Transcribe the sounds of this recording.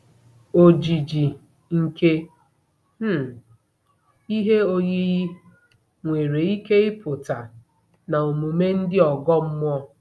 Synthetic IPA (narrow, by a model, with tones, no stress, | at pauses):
o˨d͡ʒi˨d͡ʒi˨ | ŋ̩˨ke˦ | i˦ɦe˦o˦ɲe˦ɣi˦ | ŋʷe˨ɾe˨i˦ke˦ɪ˦pʊ˨ta˨ | na˨o˨mu˨me˦n̩˦dɪ˦ɔ˨ɡɔ˦m̩˦mʷ˦ɔ˦